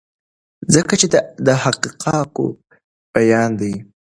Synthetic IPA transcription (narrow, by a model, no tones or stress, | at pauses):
zəkat͡ʃed̪əhaqiqʰɑko̰ | b̥ajɑnd̪aj